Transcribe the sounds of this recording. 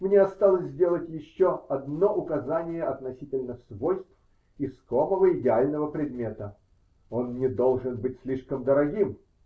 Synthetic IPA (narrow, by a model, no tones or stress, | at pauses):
mnʲeɐst̪alˠəsʲzʲdʲe̞lˠətʲjɪɕːoɐd̪no̞ʔʊkɐzanʲɪjəɐt̪nɐsʲitʲɪlʲnəfsvolʲst̪f | ɪskoməvəɪdʲɪalʲnəvəpɾʲɪd̪mʲe̞t̪ə | o̞nnʲɪd̪o̞lˠʐɨnbɨtʲsʲlʲiʂkəmd̪əɾɐɡʲim